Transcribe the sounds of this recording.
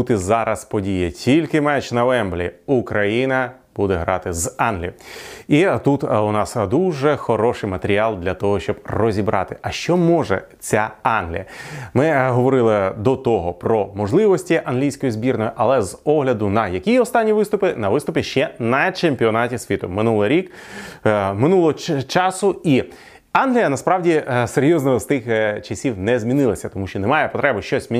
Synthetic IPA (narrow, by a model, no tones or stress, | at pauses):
ut̪ɪzɑɾʔɐspɔdʲijɛtʲʰilʲkɪmɛt͡ʃnɐʋɛmblʲiukɾɐjinɐ | b̥ud̪ɛɦɾɑt̪ɪzɑnɦlʲḭjit̪ut̪ʊnɑsd̪uʒɛxɔɾɔʃɪjmɐt̪eɾʲialˠd̪lʲɐt̪ɔɦɔʃt͡ʃɔbrɔzʲibɾʔɑ̰t̪ɪ̥ʔɐʃt͡ʃɔmɔʒɛ̰ | t͡sʲaɑnɦlʲḭjɐmɪɦɔʋɔɾɪlˠɪd̪ɔt̪ɔɦɔpɾɔmɔʒlˠɪʋɔsʲtʲiʔɐnɦlʲijsʲkɔjizbʲirnɔjʊʔɐlˠɛzɔɦlʲɐd̪ʊnɐjɐkʲiɔst̪ɑnʲːiʋɪst̪ʊpɪnɐʋɪst̪ʊpʲɪʃt͡ʃɛnɐt͡ʃemʲpʲiɔnɑtʲisʲʋʲit̪ʊ̰mɪnulˠɪɾʲik | mɪnulˠɔɦɔt͡ʃɑsʊi | ɑnɦlʲijɐnɐspɾɑwdʲiseɾʲjɔznɔɔst̪ɪxt͡ʃɐsʲiwnɛzʲmʲinɪlˠɐsʲɐt̪ɔmuʃt͡ʃɔnɛmɑjɛpɔt̪ɾɛbʊʃt͡ʃɔsʲmʲi